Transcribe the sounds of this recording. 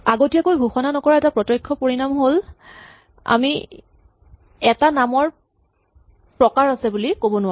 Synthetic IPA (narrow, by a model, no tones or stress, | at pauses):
aɡotijakojbʱuxɔnanɔkɔɹaɛtapɹɔtɔjkʰːɔpoɹinamɦol | a̰mi | ɛtanamɔɹ | pɹɔkaɹasɛbulikobɔnʊwa